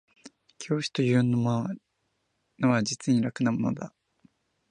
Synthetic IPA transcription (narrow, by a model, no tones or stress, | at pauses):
kʲʰo̞ːɕi̥t̪ojɯɯ̃nːoma | noβad͡ʑit͡sɨɲ̟ĩɾakɯ̟namo̞no̰d̪a̰